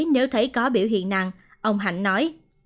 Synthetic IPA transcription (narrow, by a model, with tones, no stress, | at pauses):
jne˨˦wt̪ʰə˧˦jkɔ˨˦ɓḭ˧˨wɦḭ˧˨ənnaː˨˩ŋ | ʔə˧wŋ͡mɦa̰˧˩jnːɔ˨˦j